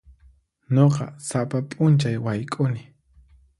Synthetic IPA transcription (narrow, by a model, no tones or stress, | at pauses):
ɲoqɑ̰sapapʼʊnt͡ʃajwajkʼʊnɪ